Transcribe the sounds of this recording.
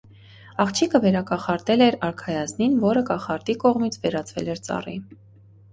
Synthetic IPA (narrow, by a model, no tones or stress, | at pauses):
ɑχt͡ʃʰikəvɛɾɑkɑχɑɾt̪ɛlɛɾɑɾkʰɑjɑzninvɔɾəkɑχɑɾt̪ikɔʁmit͡sʰvɛɾɑt͡sʰvɛ̰lɛɾt͡sɑ̰ri